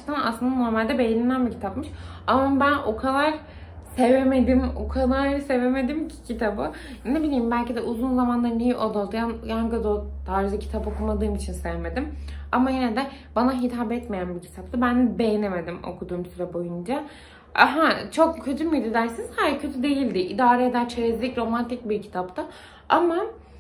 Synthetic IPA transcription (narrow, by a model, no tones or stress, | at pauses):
t̪ʰana̰slˠɯnd̪ano̞ɾmalʲd̪ɛbe̞jenimænbicʰi̥t̪ʰapmɯʃamabæno̞kʰalˠaɾ | se̞veme̞d̪imo̞̰kʰalˠaɾse̞ve̞me̞d̪imcʰi̥cʰit̪ʰabɯ | nebilʲijːimbælʲcid̪ɛʔuzunzamanlˠaɾnijiʔo̞d̪ad̪janjaŋkad̪ot̪ʰaːɾid͡ʒacʰit̪ʰapo̞kʰumad̪ɯːmit͡ʃʰinse̞veme̞d̪ima̰majened̪ɛ | banaɦit̪ʰaːbɛt̪mejænbicʰi̥t̪ʰap̚t̪ʰabænbe̞jene̞me̞d̪imo̞̰kʰud̪uːmsyɾɛbo̞jund͡ʒa | a̰ɦat͡ʃʰo̞kcʰø̞t̪ʰymyd̪id̪æɾsinizhajcʰø̞t̪ʰyd̪e̞jilʲd̪ɪʔid̪aːɾɛd̪æɾt͡ʃʰeɾezlʲicɾo̞mant̪ʰic̚biɾcʰi̥t̪ʰap̚t̪ʰa | ama